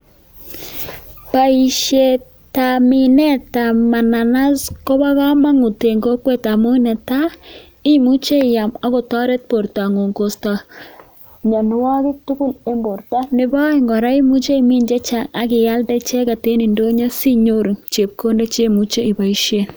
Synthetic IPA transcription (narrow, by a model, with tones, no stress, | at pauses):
pa˨i˨ʃje˨ | ta˨mɪ˨nɛ˦ta˨ma˨na˨na˦sko˦ba˦ka˦ma˦ŋo˨te˨ŋɡo˦kwe˦ta˨mo˦nɛ˨ta˦ | ɪ˦mu˦t͡ʃe˦˨ja˨ma˦ko˨tɔ˦ɾɛ˦t̚po˨ɾta˨ŋo˨ŋko˨sta˨ | ɲɔ˨nʊ˦wa˦kɪ˦tu˦ku˦le˦mbo˨ɾta˦nɪ˦bɔ˦ɪ˨ŋɡɔ˨ɾa˦i˦mu˦t͡ʃe˦i˨mi˦nd͡ʒe˦t͡ʃa˨ŋa˨kɪ˨ja˦ldɛ˦t͡ʃɛ˦ka˨te˦ni˨ndo˦ɲa˦si˦ɲo˦ɾu˨ŋt͡ʃe˨p̚ko˦nde˦t͡ʃe˦mu˦t͡ʃe˦i˨ba˨i˨˦ʃe˦˨n